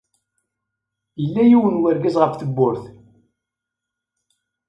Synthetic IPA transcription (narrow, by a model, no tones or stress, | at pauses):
jəlːæjiwənwəɾɡæzʁəfθəbːʊɾθ